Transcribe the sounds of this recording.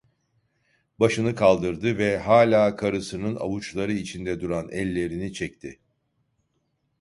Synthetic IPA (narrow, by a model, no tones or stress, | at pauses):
baʃɯnɯkʰalˠd̪ɯɾd̪ɯvɛɦaːlʲaːkʰaɾɯsɯnɯna̰vut͡ʃlˠaɾɯit͡ʃʰind̪ɛd̪uɾanɛ̰lʲːe̞ɾinit͡ʃʰɛc̚t̪ʰɪ